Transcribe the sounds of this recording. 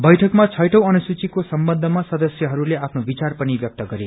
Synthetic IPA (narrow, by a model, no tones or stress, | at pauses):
bʌjʈʰʌkmat͡sʰʌjʈʰʌw̃ʌnusut͡sikosʌmbʌnd̪ʱːʌmasʌd̪ʌsjʌɦʌɾuleapʰnobit͡sarpʌnibjʌk̚t̪ʌɡʌɾe